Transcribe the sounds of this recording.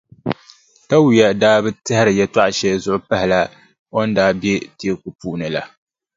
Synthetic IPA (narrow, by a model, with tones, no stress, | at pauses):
ka˦wu˨ja˨daː˦bɨ˦tɨ˦hɪ˦ɾɨ˨jɛ˨twa˦ʔʃɛ˦lzʊ˨ʔʊ˦pa˦ɦɪ˨la˦ | o˦n˦daː˦bjɛ˦te˦ku˨puː˦ʔnɨ˨la̰˨